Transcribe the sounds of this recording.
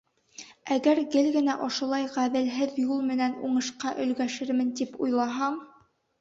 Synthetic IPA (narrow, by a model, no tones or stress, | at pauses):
æɡæɾɡɘlɡɘ̆næʔŏʃŭlˠɑjʁæðɘ̆lɦɘðjulˠmɘ̆nænuɴɤ̆ʃqɑʔɵ̆lɡæʃɘɾmɘ̆nt̪ipujlˠɑɦɑɴ